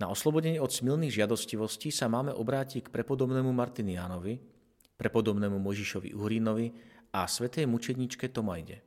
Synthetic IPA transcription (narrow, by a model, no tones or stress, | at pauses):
naɔslɔbɔɟɛɲɛɔt̪smilniːɣʒɪad̪ɔsciʋɔsciːsamaːmɛʔɔbɾaːcickpɾɛpɔd̪ɔbnɛːmumaɾt̪injaːnɔʋi | pɾɛpɔd̪ɔbnɛːmumɔjʒiʃɔʋḭʔuɦɾinɔʋiasʋɛt̪ɛjmut͡ʃɛd̪ɲit͡ʃkɛt̪ɔmajɟɛ